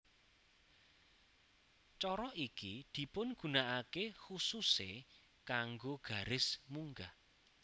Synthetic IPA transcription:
t͡ʃɔɾɔʔikid̪̥i̤pʊnɡ̥ṳnaʔakexususe | kaŋɡoɡ̥a̤ɾɪsmuŋɡa

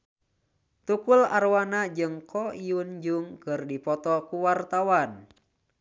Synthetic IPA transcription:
t̪ukula̰ɾwanad͡ʒɨŋkʰɔiund͡ʒuŋkɨrdipɔt̪ɔkuwart̪awan

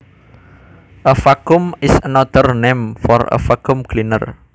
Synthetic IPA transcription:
ʔəfakʊmɪsənɔd̪ərnemfɔrə̰fakumklinə̰r

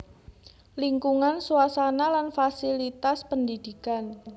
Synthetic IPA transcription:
liŋkuŋansuasanalanfasilit̪aspəndid̪̥ikan

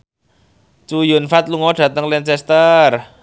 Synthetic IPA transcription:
t͡ʃujʊnfat̪luŋɔɖ̥ä̤t̪əŋlɛnt͡ʃɛst̪ər

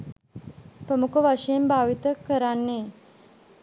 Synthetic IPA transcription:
pɾəmukəʋaʂejembʱaːʋit̪əkəɾanːe

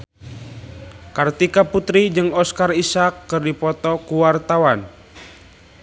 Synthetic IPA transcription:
kart̪ikaput̪ɾid͡ʒɨŋɔskarisakːɨrdipɔt̪ɔkuwart̪awan

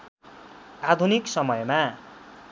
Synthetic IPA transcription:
ad̪ʱuniksʌmʌjma

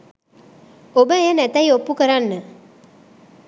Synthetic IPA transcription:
obəejənæt̪əjopːukəɾanːə

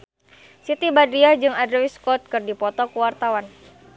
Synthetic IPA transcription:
sit̪ibadɾiahd͡ʒɨŋadɾɛwiskɔt̪̚kɨrdipɔt̪ɔkuwart̪awan

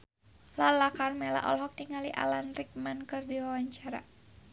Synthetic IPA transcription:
lalakarmɛla̰ʔɔ̰lɦɔk̚niŋaliʔa̰lanrik̚mankɨrdiwawaɲt͡ʃaɾa̰

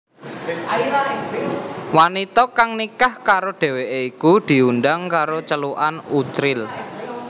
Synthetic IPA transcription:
aiɾa | wanit̪ɔkaŋnikahkaɾoɖ̥e̤weʔeikud̪̥i̤unɖaŋkaɾot͡ʃəluʔa̰nut͡ʃɾɪl

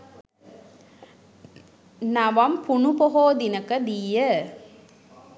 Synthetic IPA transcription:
nɐʋɐmpuɳupoɦoːd̪inɐkɐd̪ijɐ

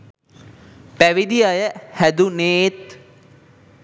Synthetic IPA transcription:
pæʋid̪iajəhæd̪uneːt̪

